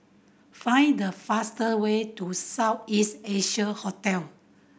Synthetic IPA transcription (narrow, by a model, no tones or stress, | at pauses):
fãj̃ndəfastəwetusaʊtisteʃəhɔtɛl